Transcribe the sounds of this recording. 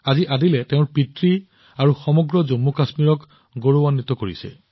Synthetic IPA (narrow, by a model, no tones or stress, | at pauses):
aziʔadilɛteʊ̃ɹpitɹi | aɹuxɔmɔɡɹɔzomːukasmiɹɔk | ɡoɹowanːit̪ɔkoɹḭsɛ̰